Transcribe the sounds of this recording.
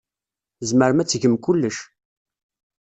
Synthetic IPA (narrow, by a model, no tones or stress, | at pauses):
zməɾəmæt͡sːʝəmkʊlːəʃ